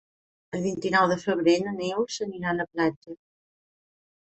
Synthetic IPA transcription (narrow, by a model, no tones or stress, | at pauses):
əlˠβ̞int̪inɔwðəfəβ̞ɾenənewsəniɾaləplad͡ʒə